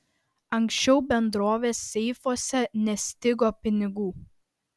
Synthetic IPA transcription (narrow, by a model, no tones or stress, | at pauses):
ɐŋʲksʲt͡ʃʲɛʊbʲɛnd̪ɾoːʋʲeːsːʲɛɪfoːsʲɛnʲɛsʲt̪ʲɪɡoːpʲɪnʲɪɡuː